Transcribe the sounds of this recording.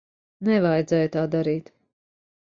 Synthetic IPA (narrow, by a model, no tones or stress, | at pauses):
nɛvajd̪zɛːjt̪aːd̪aɾiːt̪